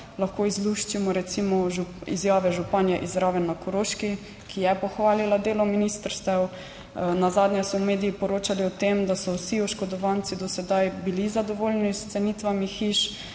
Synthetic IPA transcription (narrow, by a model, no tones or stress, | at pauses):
laxkoːizluʃt͡ʃimɔɾɛt̪simɔʒuḭzjaːʋɛʒupanjaʔizɾaːʋɛnːakɔɾoʃki | kʰijɛpɔxʋaːlilad̪eːlɔminist̪əɾst̪ɛw | nazad̪njɛsɔmeːd̪ijipɔɾoːt͡ʃaliɔt̪emd̪asɔwsiɔʃkɔd̪ɔʋant̪sid̪ɔsɛd̪ajbilizad̪ɔʋolnist̪sɛnit̪ʋamixiʃ